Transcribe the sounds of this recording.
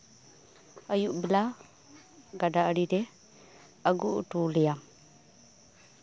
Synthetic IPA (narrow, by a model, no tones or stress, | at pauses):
əjuʔbɛla | ɡadaəɽidɛ | əɡuʔʈulɛjam